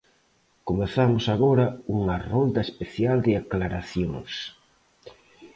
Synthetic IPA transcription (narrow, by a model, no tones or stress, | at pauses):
komeθamʊsaɣoɾɐuŋɐrond̪ɐespeθjald̪ɪaklaɾaθjoŋs